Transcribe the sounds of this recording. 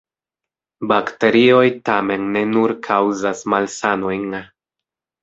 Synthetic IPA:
bakte̞ɾio̞jtame̞nːe̞nuɾkʰawzasmalsano̞jn

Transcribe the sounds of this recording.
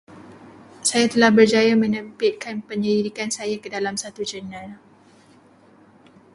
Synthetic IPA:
sajat̪əlahbərd͡ʒajamə̃nə̃pɪt̪̚kanpəɲədidikansajakədalamsat̪ud͡ʒənãl

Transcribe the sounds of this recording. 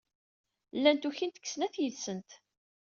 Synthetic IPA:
lːænt̪uçint̪ə̥kːsnæθjəðsənt̪

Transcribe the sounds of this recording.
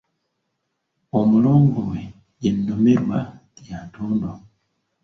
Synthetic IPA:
omuloːŋɡowe | jennomeɾwajantʰoːndo

